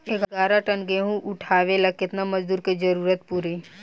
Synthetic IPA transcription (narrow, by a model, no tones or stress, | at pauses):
eɡɡaːɾaʈənɡeɦũʔʊʈʰaːʋelakɪt̪namɐd͡ʒd̪uːɾked͡ʒɐɾuːɾət̪̚puːɾi